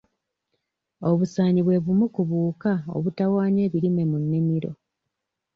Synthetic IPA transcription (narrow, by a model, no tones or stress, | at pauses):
o̞βusaːɲiβwe̞βumukuβuːkao̞̰βutawaːɲe̞ːβiɾime̞munːimiɾo̞̰